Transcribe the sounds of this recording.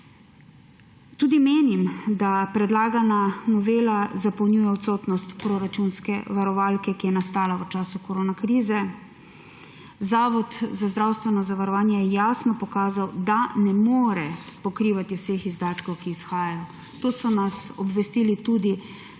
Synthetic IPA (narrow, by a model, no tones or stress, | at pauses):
t̪uːd̪imeːnimd̪apɾɛd̪laːɡananɔʋeːlazapɔwnʲuːjɛɔt̪soːt̪nɔst̪pɾoːɾat͡ʃunskɛ̰ʋaɾɔʋalkɛkijɛnast̪aːlaʋət͡ʃaːsukɔɾoːnakɾiːzɛ | zaːʋɔt̪zazd̪ɾawst̪ʋɛnɔzaʋaɾɔʋaːnjɛjɛjaːsnɔpɔkaːzawd̪anɛmoːɾɛpɔkɾiːʋat̪iwsexizd̪aːt̪kɔwkiːsxaːjajɔ | t̪oːsɔnasɔbʋɛst̪iːlit̪uːd̪i